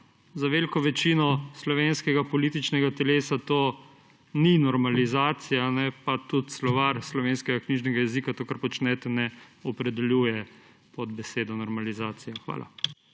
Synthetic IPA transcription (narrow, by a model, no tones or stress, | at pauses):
zaʋelkɔʋɛt͡ʃinɔslɔʋeːnskɛɡapɔliːt̪it͡ʃnɛɡat̪ɛleːsat̪oː | ninɔɾmalizaːt̪sijanɛpat̪ut̪slɔʋaɾslɔʋeːnskɛɡakniʒnɛɡajɛziːkat̪oːkaɾpɔt͡ʃnɛt̪ɛnɛɔpɾɛd̪ɛljuːjɛ | pɔd̪bɛseːd̪ɔnɔɾmalizaːt̪sijaxʋa̰ːlʔa̰